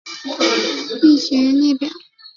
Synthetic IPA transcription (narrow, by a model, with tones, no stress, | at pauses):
i˥˩ɕɛ˧˥ɻə˧˥nnɛ˥˩pjɑ˨˩˦